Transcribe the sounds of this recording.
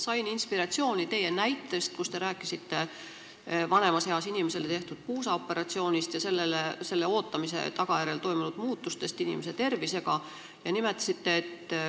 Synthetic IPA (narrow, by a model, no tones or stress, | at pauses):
sɑjninspiɾɑt̪sio̞ːnʲit̪e̞je̞næjt̪ːˑe̞st̪̚kust̪e̞ɾæːkːˑisit̪ːe̞ | vɑne̞mɑsheɑsinimese̞let̪e̞ht̪ud̪̥̚puːsɑopːe̞ɾɑt̪sio̞ːnʲist̪jɑse̞lːelese̞lːe̞o̞ːt̪ːˑɑmis̬e̞̰t̪ɑɡ̥ɑjæɾe̞lt̪o̞jmunud̪̥muːt̪ːˑust̪e̞st̪inḭme̞s̬e̞t̪e̞rvise̞ɡ̥ɑ | jɑnime̞t̪ːˑɑ̥sit̪ːe̞ːt̪ː